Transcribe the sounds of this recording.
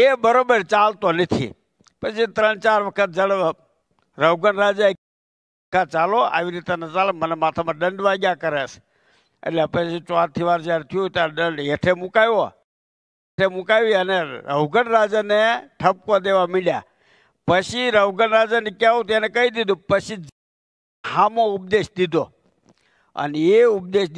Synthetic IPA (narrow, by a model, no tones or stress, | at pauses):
ebəɾobəɾt͡ʃalt̪onət̪ʰḭ | pət͡ʃʰit̪ɾəɳt͡ʃaɾʋəkʰət̪̚d͡ʒəɽ | ɾəwɡənɾad͡ʒae | ãt͡ʃaloa̰ʋiɾit̪enət͡ʃalmənɛmat̪ʰamãɖəɳɖʋaɡjakəɾeʃ | ḛʈleəpət͡ʃit͡ʃaɾt̪ʰiʋaɾd͡ʒaɾt̪ʰijũt̪aɗəɳɖeʈʰemukajo | emukajʋiəneɾəʋɡənɾad͡ʒaneʈʰəp̚kod̪eʋamilja̰ | pət͡ʃiɾəʋɡənɾad͡ʒanikjaut̪enɛkəid̪id̪upət͡ʃʰi | hamoup̚d̪eʃd̪id̪o | ə̰neeup̚d̪eʃd̪